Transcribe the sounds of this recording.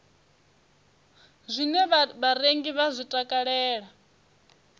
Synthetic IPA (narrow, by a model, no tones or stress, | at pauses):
zʷinɛββaɾeŋɡiβazʷitʼakʼaɺɛːɺa